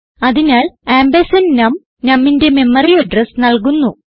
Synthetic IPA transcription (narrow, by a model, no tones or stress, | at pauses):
ɐðinaːleːmbɐsɐnnɐm | nɐmːinde̞me̞mːɐrijɐɖresnɐlk̬unːu